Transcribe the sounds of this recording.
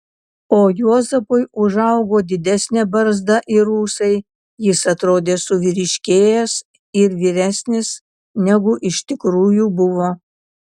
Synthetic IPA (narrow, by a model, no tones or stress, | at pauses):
oːjuɔzɐpʊɪʊʒɐʊɡoːd̪ʲɪd̪ʲæsʲnʲɛbɐɾzd̪ɐʔiɾuːsɐɪ | jɪsɐt̪ɾoːd̪ʲeːsʊʋʲɪɾʲɪʃʲkʲeːjɛs | ɪɾʋʲiːɾʲæsʲnʲɪs | nʲɛɡʊʔɪʃʲt̪ʲɪkɾuːjuːbʊʋoː